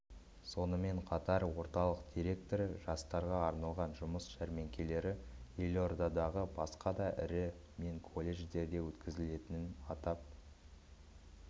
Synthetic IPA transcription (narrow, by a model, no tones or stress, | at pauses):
so̞nəme̞ɴqʰɑt̪ɑɾwo̞ɾt̪ɑlˠəq̚d̪̥ʲiɾe̞k̚t̪o̞ɾʒ̥ɑst̪ɑɾʁɑːɾnɑlˠʁɑnʒʊməsʃæɾme̞ŋkʲe̞le̞ɾɪelʲo̞rd̪ad̪ɑʁəbɑsqɑd̪ɑʔɪ̰ɾɪ | me̞ŋkʰo̞lʲːe̞ʒd̪e̞ɾd̪e̞wɵt̪kʲɪzɪle̞t̪ɪnɪnɑt̪ɑp̚